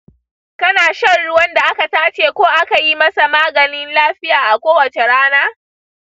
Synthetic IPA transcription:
kɐ˦naː˨ʃɐ˦rɽʊ˦wɐ˦nda˨ʔa˦ka˨taː˦t͡ʃeː˨kʷoː˦ʔa˦ka˨ji˦mɐ˦sa˨maː˦ɡɐ˨nɪ˦nlaː˦ɸɪ˦jaː˨ʔa˨kʷoː˦wɐ˨t͡ʃe˨ɽaː˦naː˦

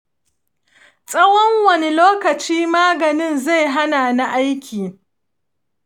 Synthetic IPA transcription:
sʼɐ˦wɔ˦ŋwɐ˨ni˦loː˦kɐ˨t͡ʃiː˦maː˦ɡɐ˨nɪ˦nza˦˨jɦa˦naː˨na˦ʔa˦jkʲʰiː˨

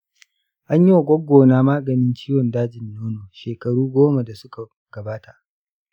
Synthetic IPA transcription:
ʔa˦ɲji˦wa˨ɡʷʼɔ˦ɡʷːoː˨naː˦maː˦ɡɐ˨nɪ˦nt͡ʃiː˦wɔ˨ndaː˦d͡ʒɪ˨nːoː˦noː˨ʃeː˨kɐ˨ɽuː˦ɡʷoː˦ma˨da˨sʊ˦ka˨ | ɡ̥ɐ˨baː˦ta˨ʔ

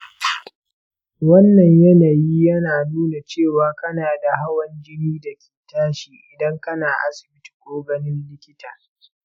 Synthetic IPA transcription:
wɐ˦nːɐ˨ɲjɐ˦na˨jiː˦jɐ˦naː˨nuː˦na˨t͡ʃeː˦˨waː˦kɐ˦naː˨da˨ɦa˦wɐ˨nd͡ʒɪ˦niː˦dɐ˨kʲi̥ː˨taː˦ʃiː˨ʔɪ˨dɐ˦ŋkɐ˦naː˨ʔa̰˦sɪ˨bɪ˦tu̥˨kʷʼoː˦ɡɐ˨nɪ˦nlɪ˦kʲɪ˦tʰaː˨

